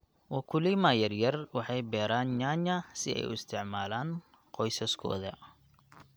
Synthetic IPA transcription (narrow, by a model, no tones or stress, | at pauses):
wɐkʰʊlɪmaːjɐrjɐrwɑħɑjbɛːɾaːnɲaːɲɐsɪ̰ʔɛ̰jʊɪ̰st̪ʰɪʕmaːlaːn | qɔjsɐskʰɔ̰ːðɐ̰